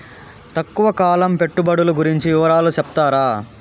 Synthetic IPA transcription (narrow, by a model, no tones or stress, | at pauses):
t̪ɐkːuʋɐkaːlɐmpe̞ʈːubɐɽuluɡuɾiɲt͡ʃiʋɪʋɐɾaːlut͡ʃɛpt̪aːɾaː